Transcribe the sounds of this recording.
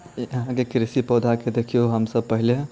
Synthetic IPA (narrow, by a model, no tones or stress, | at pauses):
jɐɦãkekɾɪsipɔːd̪ʱaked̪ekʰijoɦəmsəbpəɦileɦ